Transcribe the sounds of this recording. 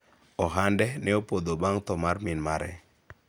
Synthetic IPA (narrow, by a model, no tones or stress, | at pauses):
ɔɦandɛnɛopod̪obaŋt̪ɔmarmɪnmaɾɛ̰